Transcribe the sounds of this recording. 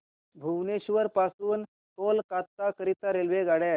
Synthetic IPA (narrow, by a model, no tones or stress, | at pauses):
bʱuʋneɕʋəɾpasuːn | t̪olkat̪ːakəɾit̪aɾelʋeɡaɽe